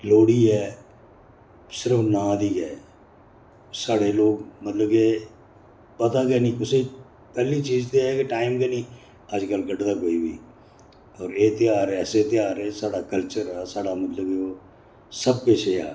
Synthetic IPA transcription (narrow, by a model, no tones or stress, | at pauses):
loːɽiːɦɛː | sɪɾəfnãːd̪iːɡɛː | saːɽeloːɡmət̪ləbkeː | pət̪aːkeːnĩːʊse | pɛːlit͡ʃiːzt̪eɛkeʈaːɪmkenĩː | aːd͡ʒkəlɡəʈd̪akoːibḭː | ɔːɾeːt̪ɪjaːɾɛːset̪ɪjaːɾɛːsaːɽakəlt͡ʃəɾɛːsaːɽamət̪ləbkeoː | səb̚keʃea̰ː